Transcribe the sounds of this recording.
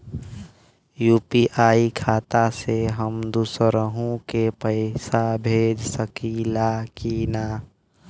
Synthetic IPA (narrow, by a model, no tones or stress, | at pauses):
juːpiʔaːikʰaːt̪aseɦəmd̪usɾəɦũkepəɪsabʱeːd͡ʒsəkilakinaː